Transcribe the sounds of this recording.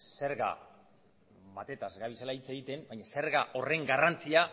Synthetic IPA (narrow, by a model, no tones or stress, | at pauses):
se̞ɾɣa̰ | βat̪e̞t̪azɣaβisalait͡seɣit̪e̞mbajɲase̞ɾɣaʔo̞re̞ŋɡarant͡sia